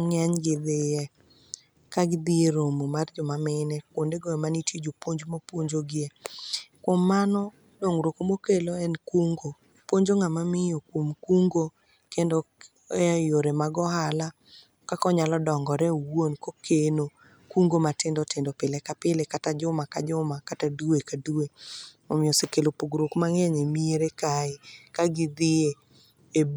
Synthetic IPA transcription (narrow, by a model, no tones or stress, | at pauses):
ŋaɲɡɪd̪ɪjɛ | kaɡɪd̪ieɾomomard͡ʒɔmamɪnɛkwondeɡɔjɔmanitid͡ʒopwoɲd͡ʒmopwoɲd͡ʒoɡɪekwomːanɔ | doŋɾokomokeloɛnkuŋɡo | pwoɲd͡ʒoŋamamɪjokomkuŋɡo | kendɔ | ɛjoɾemaɡɔɦala | kakɔɲalɔdɔŋɡɔɾɛwonkokʰeno | kuŋɡomatɪndɔtɪndɔpɪlekapɪlekatad͡ʒʊmaka̰d͡ʒʊmakataduekaduemomɪɔsekelopoɡɾokmaŋɛɲemieɾekaɪkaɡɪd̪ɪe | e